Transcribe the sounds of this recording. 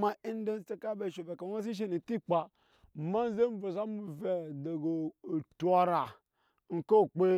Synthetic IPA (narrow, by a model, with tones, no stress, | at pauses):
ma˦i˦n˦de˦n˦t͡se˦ka˦be˨ʃo˨ve˨ka˨˦a˦s̬i˦ʃ̬e˦ni˨ti˦k͡pa˨ | ma˦n˦ze˦m˦vo˨za˦mu˨ve˨do˨ɡo˨tu˨a˨ɾa˨ | ŋ̩˨ko˦˨k͡pe˦